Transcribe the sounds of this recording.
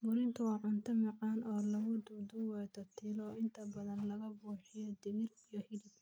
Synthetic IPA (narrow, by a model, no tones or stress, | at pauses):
mʊɾɪnt̪ʰʊwɑːʕʊnt̪ʰɐmɑʕɑːnɔːlɐɣʊd̪ʊd̪uwɛːt̪ʰɔt̪ʰɪlɔːɪnt̪ʰɐbɐðɐnlɐɣɐbuːħɪjɔd̪ɪmɪrijɔhɪlɪb